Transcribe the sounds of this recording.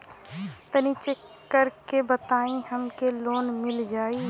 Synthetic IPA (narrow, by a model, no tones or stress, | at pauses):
t̪ənit͡ʃekːəɾkebət̪aːĩhəmkeloːnmɪld͡ʒaːiː